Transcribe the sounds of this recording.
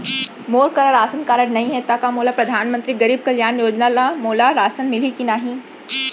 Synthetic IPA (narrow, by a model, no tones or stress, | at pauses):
moːɾkɐɾaɾaːsənkaːɾəɽnɐɦĩɦɛt̪akamoːlapɾɐd̪ʱaːnmə̃nt̪ɾiɡɐɾiːb̚kɐljaːnjoːd͡ʒnalamoːlaɾaːsənmɪlikinaːɦĩ